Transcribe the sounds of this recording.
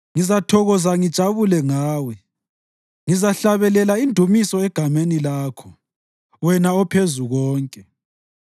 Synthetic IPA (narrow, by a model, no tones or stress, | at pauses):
ŋizatʰɔɣɔzaŋid̥ʒ̥ʱaβulɛŋaːwɛ | ŋizaɬaβɛlɛlaindʱumisɔɛɡ̥ʱamenilaːkʰɔ | wɛnaɔpʰezuɣɔːŋkʼɛ